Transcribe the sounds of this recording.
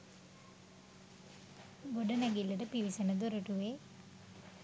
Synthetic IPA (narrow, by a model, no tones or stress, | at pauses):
ɡoɖənæɡilːəʈəpiʋisenəd̪oɾəʈuʋe